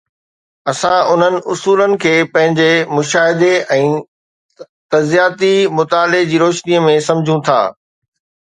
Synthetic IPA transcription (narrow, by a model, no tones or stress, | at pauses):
ɐsãʊn̤ənɪ̆ʔʊsuːlənɪ̆kʰeːpɐ̃ɦɪ̃ɲd͡ʑemʊʃaːɦɪd̪eɛ̃ː | t̪ɐzijaːt̪imʊt̪aːled͡ʑiːɾoːʃniəmẽsɐ̃md͡ʑʱũt̪ʰa̰ː